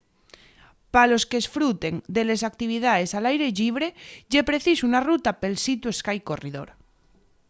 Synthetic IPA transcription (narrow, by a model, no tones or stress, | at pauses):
palo̞skesfɾut̪e̞ŋd̪elesak̚t̪iβ̞ið̞aðesalajɾe̞ʎiβ̞ɾeʎepɾe̞θisuunarut̪apelsit̪ue̞skajko̞riðo̞̰ɾ